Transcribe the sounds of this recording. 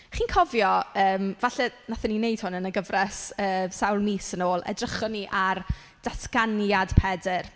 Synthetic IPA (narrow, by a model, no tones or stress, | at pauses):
χiːnkʰɔvjɔəːmvaɬɛnaθɛninejd̥hʊnənəɡəvrɛsəːsawlˠmiːsənoːlˠɛ̰drəχɔniʔar | d̥askanjad̥pʰɛdɪr